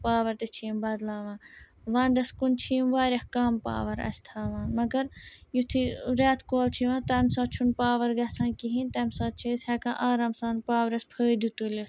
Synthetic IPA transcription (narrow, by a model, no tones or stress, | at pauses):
paːʋɐɾt̪et͡ʃʰiːmbɐd̪laːʋãː | ʋãːnd̪ɐskunt͡ʃʰiːmʋaːɾʲɐhkaːmpa̰ːʋɐɾɐ̰sʲt̪ʰaːʋãːnmɐɡɐɾjut̪ʰiɾaːt̪ʰkoːlt͡ʃʰiʋãːt̪ɐmsɐ̃ːt͡ʃʰunpaːʋɐɾɡɐsãːnkiɦĩnt̪ɐmsɐːt͡ʃʰiːshɛkãːʔaːɾaːmsaːnpaːʋɐɾɐspʰəːd̪ut̪ulʲes